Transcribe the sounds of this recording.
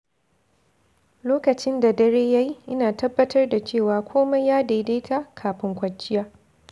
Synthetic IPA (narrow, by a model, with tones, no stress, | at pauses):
loː˦kɐ˨t͡ʃɪ˦nda˨dɐ˦ɾeː˦ja˦ji˦ʔɪ˦naː˨tɐ˦bːɐ˦tʰɐ˦rda˨t͡ʃeː˦˨waː˨kʷʰoː˦ma˦jaː˦daː˨˦deː˦ta˦kʰaː˨ɸɪ˦ŋkʷɐ˨t͡ʃʼːɪ˦jaː˦